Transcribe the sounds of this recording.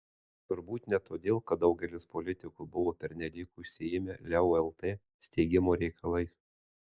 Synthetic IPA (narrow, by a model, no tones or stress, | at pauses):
t̪ʊɾbuːt̪nʲɛt̪oːd̪ʲeːlˠkɐt̪̚d̪ɒʊɡʲɛlʲɪspolʲɪt̪ʲɪkʊbʊʋoːpʲɛɾʲnʲɛlʲiːkuɪʃʲsʲɪjɪmʲelʲɛoɛlˠt̪eː | sʲt̪ʲɛɪɡʲɪmoːɾʲɛɪkʰɐlˠɐɪs